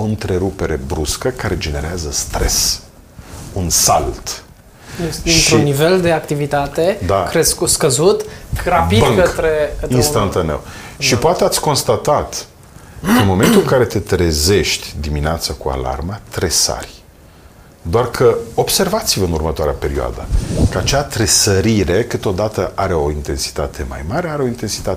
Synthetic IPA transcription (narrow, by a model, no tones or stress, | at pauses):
oɨnt̪ɾe̞ɾupe̞ɾe̞bɾuskəkaɾe̞d͡ʒe̞ne̞ɾeazəst̪ɾe̞s | unsa̰lt̪ | ɨʃnt̪ɾiunnːive̞ld̪e̞akt̪ivit̪at̪ed̪akɾeskuskəzut̪rapidb̪ɨŋkət̪ɾekəinst̪ant̪anḛw | ʃʃipoat̪eat̪sʲko̞nst̪at̪at̪ | kənmo̞me̞nt̪ulɨŋkaɾe̞t̪e̞t̪ɾe̞ze̞ʃt̪ʲd̪imineat̪səkua̰la̰rmat̪ɾe̞sa̰rʲ | d̪oarkʰəo̞bse̞rvat̪sivəɨnurmət̪oaɾea̰pe̞ɾioa̰d̪əkəat͡ʃat̪ɾe̞səɾiɾe̞kɨt̪o̞d̪at̪əʔaɾe̞o̞int̪e̞nsi̥t̪at̪ʰe̞̰ma̰jmaɾeaɾeo̞int̪e̞nsi̥t̪at̪e